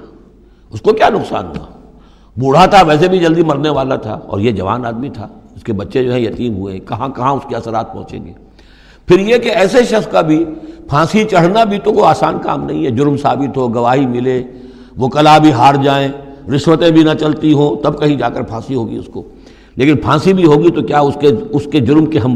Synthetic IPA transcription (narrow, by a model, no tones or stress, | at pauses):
ʊskokjaːnʊqsa̰ːnɦṵa̰ | bʊɽ̤at̪ʰaʋɛːs̬ebʱid͡ʒɐld̪imɐɾneʋaːlat̪ʰa̰ɔ̰ːɾjed͡ʒɐʋa̰ːnaːd̪mit̪ʰaːʊskebɐtːʃẽd͡ʒoːɦɛ̃jɐt̪iːnɦuḛ̃kɐɦãkɐɦãʊskeɐsəɾaːt̪̚pɔ̰̃ɦt͡ʃḛ̃ːŋɡḛː | pʰɪɾjekeɛːseʃɐxskabʱipʰãːsit͡ʃɐɽ̤nabʱit̪okoaːsaːnka̰ːmnɐɦĩɦɛd͡ʒʊɾmsaːbɪt̪ɦoɡɐʋaːɦimɪle | ʋokɐlaːbʱiɦaːɾd͡ʒaːẽɾɪʃʋət̪ẽbʱinat͡ʃɐlt̪iɦõːt̪ɐbkɐɦĩd͡ʒaːkəɾpʰãːsiɦoːɡḭʊsko̰ː | leːkɪnpʰãːsibʱiɦoːɡit̪okjaːʊskeʊsked͡ʒʊɾmkeɦɐm